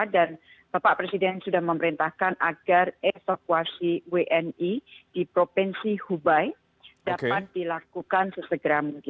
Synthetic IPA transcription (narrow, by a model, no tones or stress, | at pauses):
dan | b̥apaʔpɾesidɛnsudahməməɾint̪ahkanʔaɡ̥arefakuasiweʔɛnid̥ipɾopɛnsihubaj | daat̪̚dilakukansəsəɡəɾamuŋkɪ